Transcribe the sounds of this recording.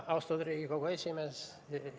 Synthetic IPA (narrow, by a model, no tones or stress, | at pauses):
ɑʊst̪oːd̪ɾʲiːkʲikoːkoɪsʲimes